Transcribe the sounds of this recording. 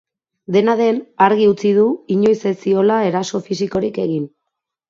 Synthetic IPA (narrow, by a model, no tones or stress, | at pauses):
d̪e̞naðe̞naɾɣiut͡sið̞uiɲo̞jsesio̞lae̞ɾaso̞fisiko̞ɾike̞ɣ̞in